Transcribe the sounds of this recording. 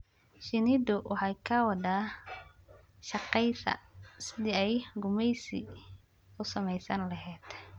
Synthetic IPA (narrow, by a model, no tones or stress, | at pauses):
ʃɪnɪd̪ʊwʔɑħɑjkʰɐwɑd̪aː | ʃɑqɛjsɐ̰sɪðiɛjɡʊmɛjsi | ʊsɐmɛjsɐnlɐɦɛːd̪̥